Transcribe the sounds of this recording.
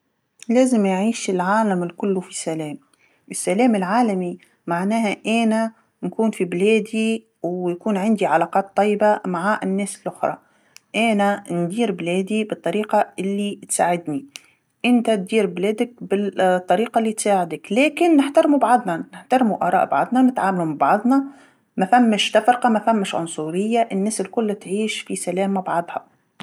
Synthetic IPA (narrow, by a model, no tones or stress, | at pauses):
leːzɪmjʕiːʃɪlʕaːlamɪlkʊlːufisalɛːm | ʔɪsːalɛːmɪlʕaːlami | maʕnæːhaʔæːna | nkuːnfibleːd̪i | wjakuːnʕɪnd̪iʕalɑːqɑːt̪ˤːɑjːɪbamaʕaʔɪnːɛːsɪlʔʊxɾˤɑ̰ | ʔæːnand̪iːɾbleːd̪ibɨt̪ˤːɑɾiːqɑɪlːit̪saːʕɪd̪ni | ʔɪnt̪at̪̚d̪iːɾbleːd̪ɪk̚bɪt̪ˤːɑɾiːqɑʔlːit̪saːʕɪd̪ɪklæːkɪnːɪħt̪ɑɾˤmubaʕd̪ˤnɑnɪħt̪ɑɾˤmuʔɑ̰ːɾˤɑ̰ːʔbɑʕd̪ˤnɑnɪt̪ʕaːmlumbɑʕðˤnɑ | mæfæmːɪʃd̪afɾqɑmafamːɪʃʕʊ̰nsˤuɾɪjːaʔɪnːæːsɪlkʊlːt̪ʕiːʃfisalæːmabaʕɑd̪ˤhɑ̰